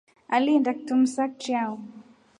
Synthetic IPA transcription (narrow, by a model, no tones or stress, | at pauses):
alindak̚tum̩sak̚t͡ʃiau